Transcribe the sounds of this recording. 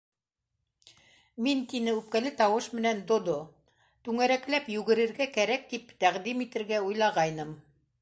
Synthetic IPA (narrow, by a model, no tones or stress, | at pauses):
mint̪inɘʉp̚kælɘt̪ɑwɤʃmɘ̆nænd̪ŏd̪o | t̪ʉŋæɾæklæpjʉɡɘ̆ɾɘ̆ɾɡækæɾæk̚t̪ipt̪æʁd̪imit̪ɘ̆ɾɡæujlˠɑʁɑjnɤm